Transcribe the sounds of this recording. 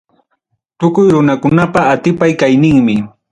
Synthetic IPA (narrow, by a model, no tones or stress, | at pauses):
t̪ʊkʊjɾʊnakʊnapaːt̪ɪpajkajnɪŋmɪ